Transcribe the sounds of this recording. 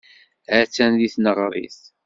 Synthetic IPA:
ʕət͡sːænðiθnəʁɾˤḭθ

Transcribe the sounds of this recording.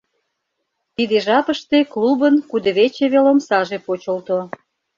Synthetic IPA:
t̪id̪eʒɑpəʃt̪eklubənkud̪əβet͡ɕeβelomsɑʒepot͡ɕəlt̪o

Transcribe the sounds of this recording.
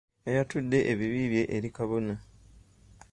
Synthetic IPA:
ejatudːe̞ʔeβiβiːβje̞ʔeɾikaβo̞na

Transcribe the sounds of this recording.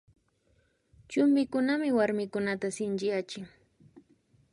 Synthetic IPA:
t͡ʃʊmbɪkʊnamɪwaɾmɪkʊnat̪asɪnt͡ʃɪjat͡ʃɪŋ

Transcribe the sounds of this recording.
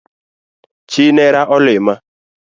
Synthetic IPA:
t͡ʃineɾaʔɔlɪma

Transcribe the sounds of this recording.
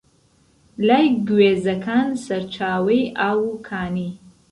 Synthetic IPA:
lajɡweːzɐkʰaːnsɐɾt͡ʃʰaːwijʔaːwukʰaːni

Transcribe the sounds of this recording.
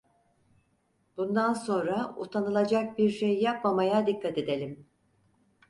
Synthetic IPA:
b̥und̪anso̞nɾaṵt̪ʰanɯlˠad͡ʒak̚biɾʃejːapmamajad̪ikʰːat̪e̞d̪e̞lʲim

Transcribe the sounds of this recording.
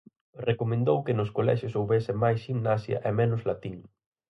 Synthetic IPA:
rekomẽnd̪owkɪnʊskolɛ̰ʃjʊsowβesɪmajsʃiŋnasjɐ̰ʔɛmɛnʊzlat̪iŋ

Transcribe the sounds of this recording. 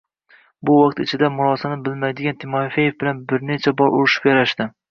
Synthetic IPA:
bʊwɑqt̪ɪt͡ʃʰɪd̪amʊɾɒsanɪbɪlmajd̪ɪɡʲant̪ʰɪmɒfajefbɪlanbɪɾne̞t͡ʃʰabɒɾʊɾɪʃɪ̥pjaɾaʃt̪ɪ

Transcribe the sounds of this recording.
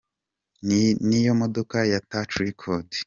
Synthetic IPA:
nijomodokajatat͡ʃuɾikʰodi̥

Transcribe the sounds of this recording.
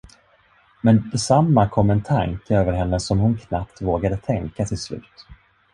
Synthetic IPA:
mɛnd̪ɛsamːakʰɔmːɛnt̪ʰa̰ŋkəøːvəɾɦɛnːəsɔmhʊnkʰnapt̪voːɡad̪ət̪ʰɛŋkat̪ʰɪslʉ̟̰ːt̪

